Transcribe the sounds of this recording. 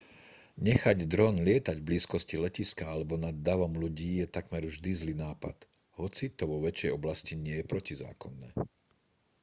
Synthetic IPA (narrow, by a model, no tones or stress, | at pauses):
ɲɛxaɟd̪ɾɔnlɪɛt̪aɟvbliːskɔscilɛciskaalɛbɔnad̪ːaʋɔmluɟiːjɛt̪akmɛɾvʒd̪izliːnaːpa̰t̪ | hɔt͡sit̪ɔʋɔʋɛt͡ʃjɛjɔblasciɲɪɛjɛpɾɔciza̰ːkɔnːɛ̰ː